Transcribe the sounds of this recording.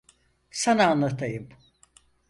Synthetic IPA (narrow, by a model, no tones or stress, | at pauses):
sanaːnlˠat̪ʰajɯm